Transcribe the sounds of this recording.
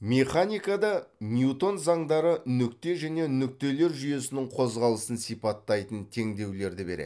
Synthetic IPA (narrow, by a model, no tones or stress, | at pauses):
mʲeχanijkɑd̪ɑmʲjut̪o̞nzɑɴd̪ɑɾənʏk̚t̪e̞ʒæne̞nʏk̚t̪e̞le̞ɾʒyje̞sɪnɪŋqʰo̞zʁɑlˠəsənsijpɑt̪ːɑjt̪ənt̪ʰe̞ŋd̪e̞wle̞ɾd̪ɪbe̞̰ɾḛ